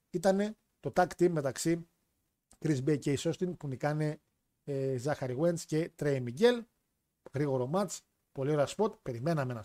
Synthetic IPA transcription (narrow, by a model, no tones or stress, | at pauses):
it̪ɐne̞ | t̪o̞t̪ɐkt̪imme̞t̪ɐksi | kɾizbejceisost̪inpunikɐne̞ | zɐxɐɾiɣwe̞nsce̞t̪ɾejmiɟe̞l | ɣɾiɣo̞ɾo̞mɐt͡s | po̞lio̞ɾeɐspo̞t̪pe̞ɾime̞nɐmenɐ